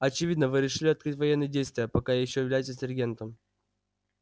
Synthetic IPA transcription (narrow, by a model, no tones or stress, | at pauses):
ɐt͡ɕɪvʲid̪nəvɨɾʲɪʂɨlʲɪɐt̪̚kɾɨtʲvɐjenːɨjdʲejst̪vʲɪjəpɐkajɪɕːojɪvlʲæjsʲəs̬ʲɪrʲɡʲe̞nt̪əm